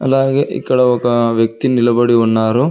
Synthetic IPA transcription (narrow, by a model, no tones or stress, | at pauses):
ɐlaːɡeʔḭkːɐɽɐɔkːɐʋjɐk̚t̪inilɐbɐɽiɔnːaːɾu